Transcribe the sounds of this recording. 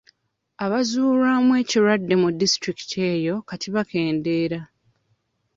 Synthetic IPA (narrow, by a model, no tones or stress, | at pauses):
aβazuːɾaːmwe̞ːciɾwadːe̞mudistɾiki̥te̞ːjo̞katiβake̞ːnde̞ːɾa